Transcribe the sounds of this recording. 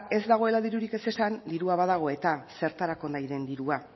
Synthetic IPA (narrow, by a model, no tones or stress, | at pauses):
e̞zd̪aɣ̞o̞e̞laðiɾuɾike̞se̞sand̪iɾuaβað̞aɣ̞o̞e̞t̪ase̞ɾt̪aɾako̞najðe̞nd̪iɾua